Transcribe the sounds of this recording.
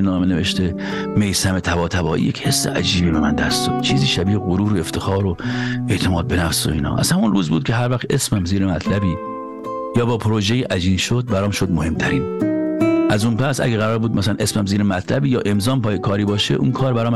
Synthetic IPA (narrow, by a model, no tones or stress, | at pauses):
nɒːmeneveʃt̪e | mejsæme̞t̪ʰævɒːt̪ʰæbɒːʔḭjecʰhe̞sːḛʔæd͡ʒiːbiːbemænd̪æst̪umt͡ʃʰiːziːʃæbiːheɣoɾuːɾoe̞ft̪ʰe̞xɒːɾoe̞ʔt̪ʰemɒːd̪̚benæfsoiːnɒ̰ːʔæ̰z̥hæmunruːzbṵːd̪̚cʰeɦæɾvæxt̪ʔe̞smæmziːɾemæt̪ʰlæbiː | jɒːbɒːpʰoɾoʒejiːʔæd͡ʒiːnʃod̪̚bæɾɒːmʃod̪̚mohe̞mt̪ʰæɾiːn | ʔæzunpæsæ̰ɡeɣæɾɒːɾbuːd̪mæsælænʔesmæmziːɾemæt̪ʰlæbiːjɒːʔe̞mzɒːmpʰɒːjekʰɒːɾiːbɒːʃḛʔṵːnkʰɒːɾbæɾɒːm